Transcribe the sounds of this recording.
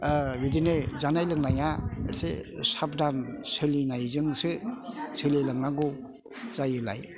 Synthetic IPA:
bidinezanajlɯŋnajaesḛsap̚dansɯlinajzɯŋsɯsʰɯlelɯŋnaɡo | zajɯla̰j

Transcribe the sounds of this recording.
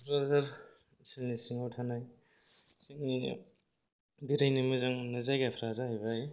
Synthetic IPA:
pʰɾazaɾ | sɯnisiŋatʰanaj | sɯŋi | diɾajnimɯzaŋnɯzajɡapʰɾazaɦajβaj

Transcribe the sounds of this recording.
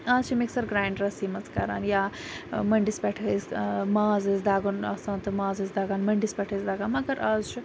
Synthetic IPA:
ɐːzt͡ʃʰimiksɐɾɡɾaːjɳɖɾɐsimɐt͡skɐ̰ɾa̰ːnjamɐɳɖispʲɛʈʰəzmaːzɨzd̪aːɡunɐ̰saːnt̪ɨmaːzɐzd̪aːɡaːnmɐɳɖispʲɛʈʰəzd̪aːɡanmɐɡɐɾaːzt͡ʃʰu

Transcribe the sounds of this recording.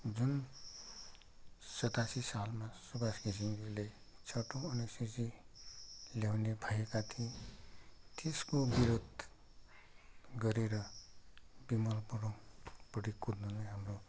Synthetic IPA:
d͡zun | sʌt̪asisalmasubaskisiŋʌle | t͡sʰʌʈõʌnesisi | ljawnebʱajekat̪ʰiẽ | t̪eskobiɾod̪ʱ | ɡʌɾeɾʌ | bimʌlpʌɽõpʌɽikud̪nʌlaɦamro

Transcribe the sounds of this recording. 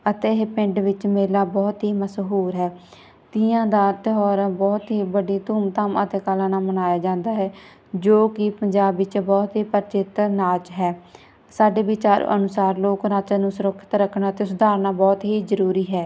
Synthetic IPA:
ət̪eːɦpɪɳɖʋɪt͡ʃmeːlaːbɔːt̪ɦiːməsɦuːɾɦɛː | t̪ɪãːd̪aːt̪ɪɦɔːɾãːbɔːt̪ɦiːbəɖiːt̪uːmt̪amə̰t̪eːkalãːnaːmənaːjaːd͡ʒãːnd̪aːɦɛː | d͡ʒoːkɪpəɲd͡ʒaːbʋɪt͡ʃbɔːt̪ɦiːpəɾt͡ʃɪt̪naːt͡ʃɦɛː | saːɖeːbɪt͡ʃaːɾ̰ʔə̰nʊsaːɾloːkɾaːt͡ʃãːnũːsʊɾəkʰːɪ̥t̪ɾəkʰːnaːt̪eːsʊd̪aːɾnaːbɔːt̪ɦiːzəɾuːɾiːɦɛː

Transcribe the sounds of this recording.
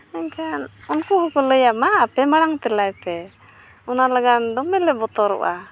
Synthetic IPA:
ɛɲkʰanɔnkɔhɔkɔləjamaːpɛmaɽaŋt̪ɛlajpɛ | ɔnalaɡand̪ɔmɛlɛbɔt̪ɔɾɔ̰ʔa

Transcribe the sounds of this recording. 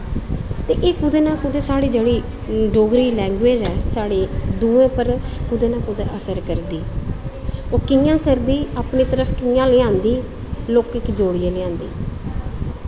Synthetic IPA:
t̪eːʔeːkʊd̪eːnaːkʊd̪eːsaːɽiːd͡ʒeːɽiː | ɖoːɡɾiːlɛ̃ːŋɡʋeːd͡ʒɛːsaːɽeːd̪ũːẽːpəɾkʊd̪eːnãːkʊd̪eːʔəsəɾkəɾd̪iː | oːkɪjãːkəɾd̪iːaːpɳniːt̪əɾəfʰkɪjãːlɪːãːnd̪iː | loːkɪkd͡ʒoːɽiːẽːlɪãːnd̪ḭː

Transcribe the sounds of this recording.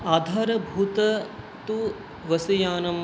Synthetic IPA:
aːd̪ʱaːɾɐbʱuːt̪ɐ | t̪u | ʋɐsɐjaːnɐm

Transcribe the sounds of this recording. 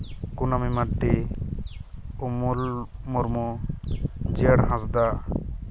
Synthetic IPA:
kunamimaɖːi | umulmɔɾmu | d͡ʒiaɽɦãsd̪a

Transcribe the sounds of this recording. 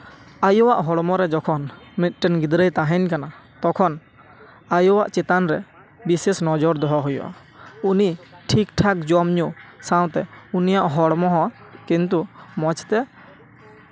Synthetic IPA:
ajɔwaʔɦɔɽmɔɾɛd͡ʒɔkʰɔnmit̪̚ˀʈɛnɡid̪ɾəjt̪aɦɛɲkana | t̪ɔkʰɔn | ajɔwaʔt͡ʃɛt̪anɾɛ | bisesnɔd͡ʒɔɾd̪ɔɦɔɦujɔ̰ʔa̰ | uniʈʰikʈʰakd͡ʒɔmɲusaw̃t̪ɛunijaʔɦɔɽmɔɦɔ̃ | kint̪̬umɔt͡ʃt̪ɛ

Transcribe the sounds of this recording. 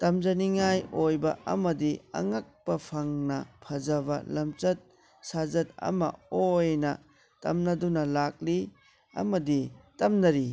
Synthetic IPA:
tɐmzɐniŋajojbɐʔɐ̰mɐdiɐ̰ŋɐk̚pɐpʰɐŋnɐpʰɐd͡ʒɐbɐ̰lɐmt͡ʃɐt̚ | sad͡ʒɐt̚ɐ̰mɐ̰ojnɐ | tɐ̰mnɐdunɐlak̚li | ɐ̰mɐditɐmnɐɾi

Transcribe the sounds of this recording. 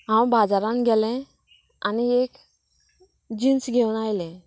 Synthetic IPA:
ɦãw̃bad͡zaɾanɡʱɛlɛ̃ | aniek | d͡ʑinsɡʱewnajlɛ̃

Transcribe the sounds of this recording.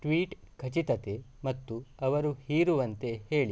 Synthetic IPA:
ʈʋiːʈkʰɐt͡ʃit̪ɐt̪emɐt̪ːuɐʋɐɾuhiːɾuʋɐnt̪e̞heːɭi

